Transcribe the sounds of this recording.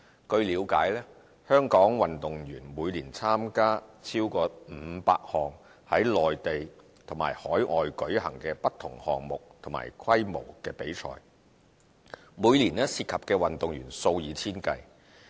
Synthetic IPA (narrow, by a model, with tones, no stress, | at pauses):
kɵ˧ɥliː˨˧wkaː˨˥jlɛː˥ | hœː˥ŋkɔː˨˥ŋwɐ˨nt̪ʊ˨ŋjyː˨˩nmuː˨˧jliː˨˩nt͡sʰaː˥mkaː˥t͡sʰiː˥wkɔː˧m̩ː˨˧˦pa̰ː˧k̚hɔː˨˩ŋ | hɐ˨˥jlɔː˨jt̪e˨j | t̪ʰʊ˨˩ma̰ː˨˩jhɔː˨˥jʔɔː˨jkɵ˨˥ɥhɐ˨˩ŋkɛː˧pɐ˥tt̪ʰːʊ˨˩ŋhɔ̰ː˨ŋmʊ˨k̚t̪ʰʊ˨˩ma̰ː˨˩jkʰɐ˥jmo̰˨˩wkɛː˧pe˨˥jt͡ʃʰɔ̰ː˨˩j | muː˨˧jliː˨˩nɛː˥siː˧t̚kʰɐ˨p̚kɛː˧wɐ˨nt̪ʊ˨ŋjyː˨˩nso˧wjiː˨˧t͡sʰiː˥nkɐ˧j